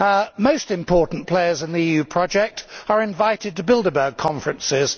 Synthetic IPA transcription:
məʊstɪ̃mpʰɔˑʔn̩pʰl̥eɪəzɪ̃nðiiːjʉːpʰɹ̥ɒd͡ʒɛk̚təɹɪ̃ɱvaɪtɪd̚təbɪlˠdəbəːɡ̚kʰɒ̃ɱfɹə̃nsɪz̥

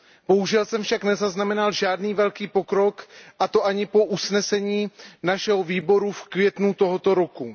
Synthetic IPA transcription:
b̥o̞ɦuʒɛlsɛmfʃaknɛzaznamɛnalʒaːdniːvɛlkiːpo̞kɾo̞kʔat̪o̞ʔaɲɪpo̞ʔusnɛsɛɲiːnaʃɛɦoviːbo̞ɾufkvjɛt̪nut̪oɦot̪o̞ɾo̞ku

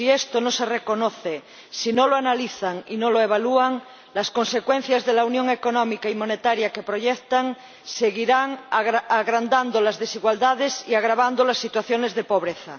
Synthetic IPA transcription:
siest̪onosereko̞noθe | sinoloanaliθaŋinoloeβ̞aluaŋ | lasko̞nse̞kwẽn̟θjazðelaunjoŋe̞ko̞nõmikaimo̞net̪aɾjake̞pɾo̞ʝekt̪aŋ | seɣiɾaŋaɣɾand̪and̪olazðesiɣwald̪aðesiaɣɾaβand̪olasːit̪waθjo̞nezðepo̞β̞ɾeθa̰

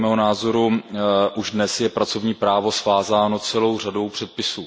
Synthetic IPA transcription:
mɛːɦonaːzo̞ɾuʔuʒdnɛsjɛpɾat͡so̞vɲiːpɾaːvo̞svaːzaːno̞t͡sɛlo̞wrado̞wpr̝̥ɛt̪̚pɪsuː

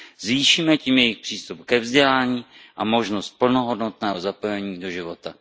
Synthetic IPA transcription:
zviːʃiːmɛciːmjɛjɪxpr̥iːst̪upkɛvzɟɛlaːɲiːʔamo̞ʒno̞st̪̚pl̩no̞ɦo̞dnot̪nɛːɦozapo̞jɛɲiːdo̞ʒɪvo̞t̪a

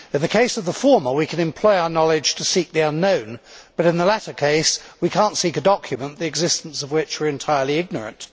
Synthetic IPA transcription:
ɨ̃nðɨkʰeɪsʌvðəfɔɹmə˞wikʰɨ̃nɨ̃mpʰl̥ɔɪaʊənɑlˠɪd̥ʒ̥tʰəsik̚ðiʌ̃nːõʊ̃nb̥ʌɾɨ̃nðəlæɾə˞kʰeɪswikʰæ̃ˑntsikɨdɑkʰjɨmə̃nðiɨɡzɪstn̩sʌvwɪt͡ʃə˞ɨ̃ntʰaɪə˞lˠiɪɡ̚nə˞ɨ̰̃nt

